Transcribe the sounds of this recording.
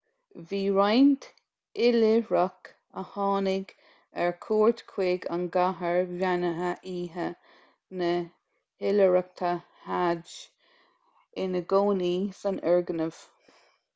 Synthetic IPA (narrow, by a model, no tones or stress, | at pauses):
viːɹajnt̪ | ɪlɪɹak | əhɑːnɪɡ | ɛɹkʰoːɹt̪kʰweːɡa̰nɡaɦəɹvjanəɦəʔiːɦə | nə | hɪləɹak̚t̪ʰa | had͡ʒ | ɪnəɡoːnisanɛɹɡənəv̥